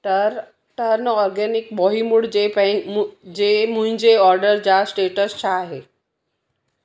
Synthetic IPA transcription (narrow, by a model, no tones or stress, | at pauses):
ʈəɾ | ʈəɾnəɔɾɡɛnikbɔɦimuɽd͡ʑep | d͡ʑem̤ũɦɪ̃ɲd͡ʑeɔɾɖəɾd͡ʑasʈeʈəst͡ɕʰaɦe